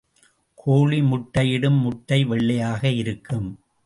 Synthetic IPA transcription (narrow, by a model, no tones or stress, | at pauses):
kʰoːɭimʊʈːɐjɪɽɯmːʊʈːɐɪʋɛɭːɐjaːɣɐɪɾɯkːɯm